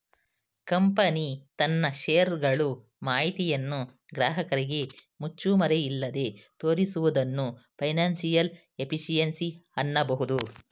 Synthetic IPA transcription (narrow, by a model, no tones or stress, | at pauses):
kɐmpɐnit̪ɐnːɐʃeːɐɾɡɐɭu | maːjit̪ijɐnːu | ɡɾaːɦɐkɐɾiɡe̞ | mut͡ʃːumɐɾeilːɐd̪e̞t̪oːɾisuʋud̪ɐnːupʰɐjnaːnsijɐl | e̞pʰiʃijɐnsiɐnːɐbɐɦud̪u